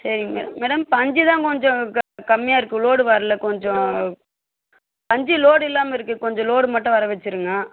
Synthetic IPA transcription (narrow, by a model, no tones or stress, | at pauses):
sɐɾɪŋɡɐmḛːɽɐmːeːɽɐmpɐɲd͡ʒit̪ãːkɔɲd͡ʒɔ̃kɐmːɪjaːɪɾɯkːɯloːɽɯʋaɾɯlɐkɔɲd͡ʒɔ̃ | pɐɲd͡ʒiloːɽɪlːaːmɐɪɾɯkːɯkɔɲd͡ʒɔ̃loːɽɯmɐʈːʊ̃ʋɐɾɐʋɛt͡ʃːɯɾɯŋɡɐ